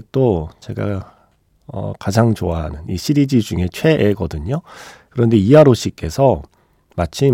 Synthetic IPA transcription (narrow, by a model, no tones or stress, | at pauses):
k̚t͈ot͡ɕe̞ɡa̰ | ʌ̰kad͡ʑaŋt͡ɕoaɦa̰nɯniɕʰiɾid͡ʑid͡ʑuŋe̞t͡ɕʰwe̞ʔeɡʌdɯɲokɯɾʌnde̞iaɾoɕ͈ik͈e̞sʰʌ | mat͡ɕʰi